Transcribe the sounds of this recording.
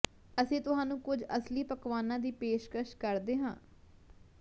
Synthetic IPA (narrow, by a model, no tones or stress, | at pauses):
əsĩːt̪ʊɦaːnũːkʊd͡ʒəsliːpəkʋaːnãːd̪iːpeːʃkɾəʃkəɾd̪eːɦãː